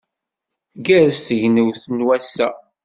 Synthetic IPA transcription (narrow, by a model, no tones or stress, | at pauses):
θɡæɾsθəʝnəwθənwæsːæ